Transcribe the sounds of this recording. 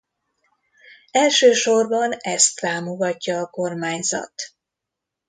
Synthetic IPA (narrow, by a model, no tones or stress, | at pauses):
ɛlʃøːʃo̞rbɒnɛst̪ːaːmoɡɒcːɒːko̞rmaːɲzɒ̰t̪